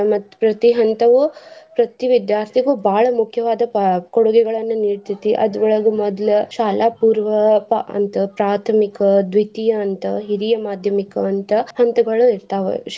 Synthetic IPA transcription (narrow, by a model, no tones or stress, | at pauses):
mɐt̪ːpɾɐt̪iɦɐnt̪ɐʋupɾɐt̪iʋid̪jaːɾt̪ʰiɡubʱaːɭɐmukʰjɐʋaːd̪ɐkɔɽuɡɛɡɐɭɐnːɐniːɽt̪it̪ːiʔɐ̰d̪ʋɔɭɐɡumɔd̪lɐʃaːlʔaːpuːɾʋɐpɐ̰nt̪ɐpɾaːt̪ʰɐmikɐd̪ʋit̪ijɐːnt̪ɐɦiɾijɐmaːd̪ʱjɐmikɐːnt̪ɐhɐnt̪ɐɡɐɭuiɾt̪aːʋḛ